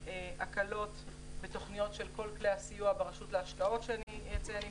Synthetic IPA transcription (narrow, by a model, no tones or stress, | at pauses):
eakalo̞t | be̞to̞χnijo̞tʃe̞lko̞lklehasijuabeʁaʃutleaʃkao̞tʃeanijat͡seani